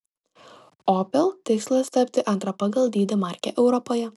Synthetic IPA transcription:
ɔːpʲɛlˠt̪ʲɪkslˠɐst̪ɐpʲt̪ʲɪʔɐnt̪ɾɐpɐɡɐlˠd̪ʲiːd̪ʲɛmɑˑɾʲkʲɛ̰ʔɛʊɾɔpoːjɛ

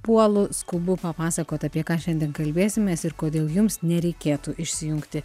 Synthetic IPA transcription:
puɔlˠʊskʊbʊpɐpɑːsɐkoːt̪ɐpʲiɛkɑːʃʲɛnd̪ʲiɛnkɐlʲbʲeːsʲɪmʲeːsɪɾkoːd̪ʲeːlˠjʊmsnʲɛɾʲɛɪkʲeːt̪uːʔɪʃʲsʲɪjʊŋkt̪ʲɪ

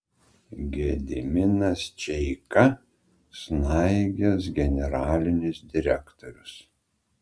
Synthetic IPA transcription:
ɡʲed̪ʲɪmʲɪnɐst͡ʃʲɛɪkɐ | snɑɪɡʲɛs̬ɡʲɛnʲɛɾɑːlʲɪnʲɪsd̪ʲɪɾʲɛkt̪ɔɾʲʊs

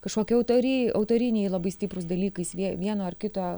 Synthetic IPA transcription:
kɐʃkoːkʲɛɐʊt̪oɾʲiɐʊt̪oːɾʲɪnʲeːjlˠɐbɐɪsʲt̪ʲɪpɾʊsd̪ɐlʲiːkɐɪsʋʲiɛʋʲiɛnoːɐrkʲɪt̪oː

